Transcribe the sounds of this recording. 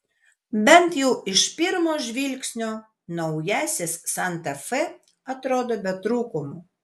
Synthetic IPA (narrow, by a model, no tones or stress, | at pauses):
bʲɛnt̪jɛʊɪʃpʲɪɾmoːʒʲʋʲilʲkʲsʲnʲoː | nɔʊjæːsʲɪsːɐnt̪ɐfɛ | ɐt̪ɾoːd̪oːbʲɛt̪ɾuːkʊmʊ